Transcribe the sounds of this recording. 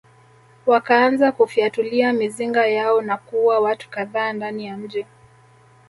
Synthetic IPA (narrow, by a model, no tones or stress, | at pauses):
wakaanzakufiatuliamiziŋɡajaɔnakuwawatu̥kaðaːndanijam̩ʄi